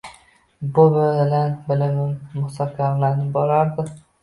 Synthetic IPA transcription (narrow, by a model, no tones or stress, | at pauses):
bʊbɪɪlanbɪlɪmɪmːʊhsakʲʰaɾlanɪbolaɾd̪ɪ